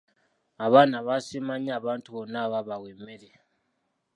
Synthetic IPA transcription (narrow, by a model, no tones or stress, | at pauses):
aβanaβasimaɲaβantʰʼuβɔnaβaβaɣwɛmɛlɛ